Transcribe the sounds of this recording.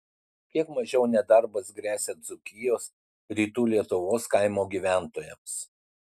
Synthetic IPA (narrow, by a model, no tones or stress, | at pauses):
kʲiɛkmɐʒʲɛʊnʲɛd̪ɐɾbɐsɡɾʲæːsʲed̪zʊkʲɪjoːs | ɾʲiːt̪uːlʲiɛt̪ʊʋoːskɐɪmoːɡʲiːʋʲæˑnt̪oːjɛms